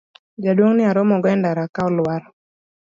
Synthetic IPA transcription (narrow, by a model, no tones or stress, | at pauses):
d͡ʒadwoŋnɪaɾɔmɔɡɔɛndaɾakaɔlwaɾɔ